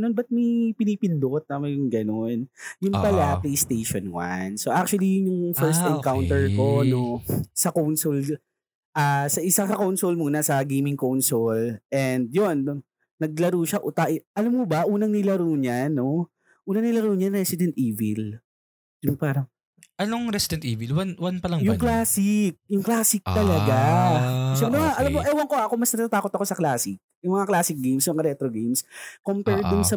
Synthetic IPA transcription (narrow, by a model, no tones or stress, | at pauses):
nonbɐt̪̚mɐpɪnipɪnd̪ot̪̚nɐmɐjʊŋɡɐnonjʊŋp̪ɐlaplejst̪ejʃonwa̰nsoʔak̚t͡ʃʊwɐlijjʊŋfɛɹst̪ɛnkawnt̪ɛɹkonosɐkownsol | ʔaːsɐʔɪsasɐkownsolmuːnɐsɐɡejmɪŋkownsolʔɛnd̪̚jonː | ɐɡ̚lɐɾuːʃɐʔʊt̪aʔɪʔɐlamkobɐʔuːnɐŋnɪlɐɾuːɲano̞ | ʔuːnɐŋnɪlɐɾuːɲɐnɾɛsɪd̪ɛnt̪ʔiːvɪ̰l | jʊŋpaːɾɐŋ | ʔɐnoŋɾɛsɪd̪ɛnt̪ʔiːvɪlwanwanpɐlɐŋjʊŋklaːsɪk̚jʊŋklaːsɪk̚t̪ɐlɐɡa | sɡud̪oŋaʔɐlamːoʔɛwɐŋkoɐkomɐsnɐt̪ːat̪aːko̞t̪ɐkosɐklaːsɪk̚jʊŋmɐŋaklaːsɪk̚ɡemsjʊmɐŋaɾɛt̪ɾoɡejmskompɛɹd̪ʊnsɐ